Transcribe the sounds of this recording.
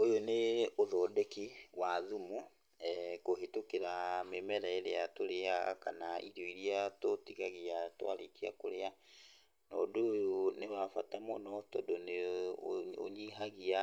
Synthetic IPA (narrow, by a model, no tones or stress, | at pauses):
ojoneoðɔdekiwaðumu | koɦetokeɾamemɛɾaeɾeatoɾeaɣa̰ka̰naʔiɾoiɾiatotiɣaɣiatwa̰ɾekiakoɾea | nɔdoːjonewafatamɔnɔtɔdone | o̰ɲiɦaɣia